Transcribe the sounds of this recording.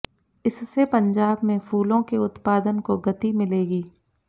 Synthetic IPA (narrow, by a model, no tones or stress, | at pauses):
ɪsːepɐ̃ɲd͡ʒaːbmẽfʰuːlõkeʊt̪paːd̪ənkoɡɐt̪imɪleːɡiː